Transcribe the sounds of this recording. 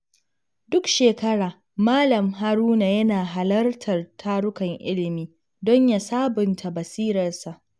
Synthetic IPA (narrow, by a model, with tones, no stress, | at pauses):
dʊ˦kʃeː˨kɐ˦ɽaː˨ | maː˦lɐ˨mɦa˦ɾuː˦na˨jɐ˦naː˨ɦa˨lɐ˦rtʰɐ˨rtʰaː˦ɽʊ˦kɐ˨ŋʔɪ̰˦lɪ˨miː˨˦ | dɔ˦ɲja˨saː˦bʊ˨ntʰa˨bɐ˨siː˦ɾɐ˨rsa˨ʔ